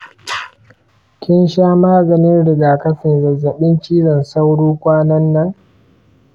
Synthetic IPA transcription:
kʲɪ˦nʃaː˦maː˦ɡɐ˨nɪ˦nɽɪ˨ɡaː˨kɐ˦ɸɪ˨nzɐ˨zːɐ˨ɓɪ˦nt͡ʃiː˦zɐ˨nsa˦wɽuː˦kʷaː˦nɐ˦nːɐ˦ŋ

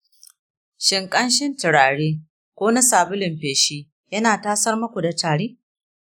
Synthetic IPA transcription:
ʃɪ˨ŋkʼɐ˦nʃɪ˦ntɪ˨ɽaː˨ɽeː˦ | kʷoː˦na˦saː˨bʊ˦lɪ˨mɸeː˨ʃiː˦ | jɐ˦naː˨taː˦sɐ˦rmɐ˦kʷu˨da˨taː˨ɽeː˦

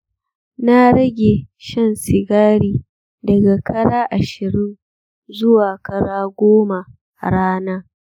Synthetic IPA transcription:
na˦ɾɐ˦ɡʲe˨ʃɐ˦˨nsɪ˨ɡaː˦ɽiː˦ | dɐ˨ɡa˨kʰɐ˦ɽaː˦ʔa˨ʃɪ˨ɽi˦n | zʊ˦waː˨kɐ˦ɽaː˦ɡʷoː˦ma˨ | ɽaː˦naː˦

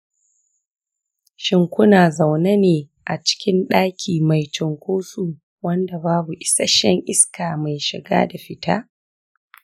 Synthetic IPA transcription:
ʃɪ˨ŋkʷʊ˦naː˨za˨wna˦neː˨ | ʔa˨t͡ʃɪ̥˦kʲɪ˦nɗaː˦kʲʰiː˨ma˨jt͡ʃɔ˨ŋkʷoː˦suː˨ | wɐ˦nda˨baː˦bu˨ʔɪ˨sa˦ʃɛ˦ŋʔɪ˦skaː˨ma˨jʃɪ̰˨ɡa̰ː˦da˨ɸɪ˦tʰa̰ː˦

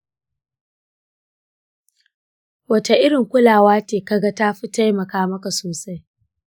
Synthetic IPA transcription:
wɐ˨ta˨ʔɪ˦ɽɪ˨ŋkʷʊ˦laː˨waː˦teː˨ka˦ɡa˦taː˦ɸi˦ta˦jmɐ˨kaː˦mɐ˦ka˨soː˨sa˦j

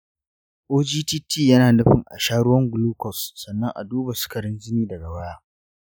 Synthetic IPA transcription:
ʔoː˦d͡ʒiː˦tiː˦tiː˦˨jɐ˦naː˨nʊ˦ɸɪ˨ŋʔa̰˨ʃaː˦ɽʊ˦wɐ˦ŋɡʊ˨luː˦kɔ˨sːɐ˨nːɐ˦ŋʔa̰˨duː˦ba˨sʊ̥˦kɐ˨ɽɪ˦nzɪ˦niː˦dɐ˨ɡa˨wɐ˦jaː˦

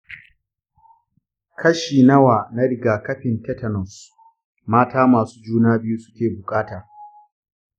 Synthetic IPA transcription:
kɐ˦ʃiː˨nɐ˦waː˨na˦ɾɪ˦ɡaː˨kɐ˦ɸɪ˨ntɛ˦tɐ˨nɔ˨s | maː˦taː˦maː˨su̥ː˦d͡ʒuː˦naː˦bɪ˦ju˦sʊ̥˦kʲeː˨bʊ˨kʼaː˦taː˨

